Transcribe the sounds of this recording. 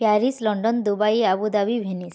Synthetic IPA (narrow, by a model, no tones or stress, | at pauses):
pjaɾislɔɳɖɔnd̪ubajabud̪abibʱenis